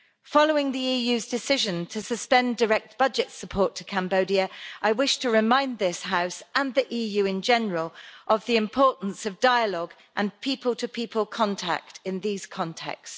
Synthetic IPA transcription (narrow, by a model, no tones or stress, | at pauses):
fɒləʊɪ̃ŋðiiːjʉːzdɪsɪʒə̃ntʰəsəspɛ̃ndəɹɛk̚t̚b̥ʌd͡ʒɪtsəpʰɔˑtʰəkʰãmbəʊdiəʔaɪwɪʃtʰəɹɪmãɪ̃nðɪshaʊsʔə̃nðiʔiːjʉːɪ̃nd͡ʒɛnəɹəlʔəvðiɪ̃mpʰɔˑʔn̩səvdaɪəlɒɡ | ʔə̃npʰiˑpʰəlˠtʰəpʰiˑpʰəlˠkʰɒ̃ntʰa̰k̚tʰɪ̃nðiːz̥kʰɒ̃ntʰɛ̰ks